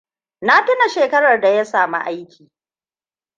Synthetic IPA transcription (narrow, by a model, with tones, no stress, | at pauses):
na˦tʊ˦na˨ʃeː˨kɐ˦ɽɐ˨rda˨ja˦saː˨ma̰˦ʔa˦jkʲiː˨